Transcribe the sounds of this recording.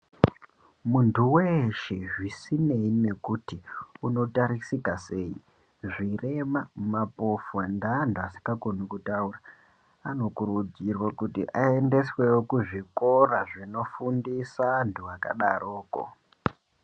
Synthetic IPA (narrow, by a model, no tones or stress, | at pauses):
muntʰuweʃeʐisine̞ine̞kutiuno̞taɾisikase̞ːi | ʐire̞mamapo̞fondaːntuasi̥ŋɡakonukutaura | ano̞kuɾud͡zirwakutḭʔae̞nde̞swe̞wokuʐiko̞raʐino̞fundisantʰuaka̰ɗa̰rʔo̞ːko̰